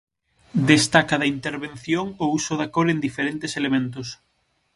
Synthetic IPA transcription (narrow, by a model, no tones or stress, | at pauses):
d̪est̪akaðɐint̪eɾβenθjoŋousʊðakoɾend̪ifeɾent̪eselemẽnt̪ʊs